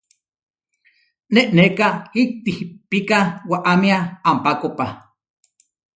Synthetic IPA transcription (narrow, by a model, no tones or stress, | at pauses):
neʔnekaik̚t̪ihpikawaʔamiaːmpakopa